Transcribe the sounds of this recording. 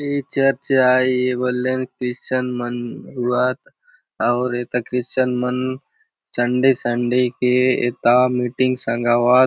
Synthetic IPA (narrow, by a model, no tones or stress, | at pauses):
it͡ʃəɾt͡ʃaːebolːenkɾɪst͡ʃənmənɦuat̪ | ɐʊɾeːt̪akɾist͡ʃənmən | sə̃ɳɖesəɳɖekeḛt̪amiʈĩŋɡsãŋɡaːʋaː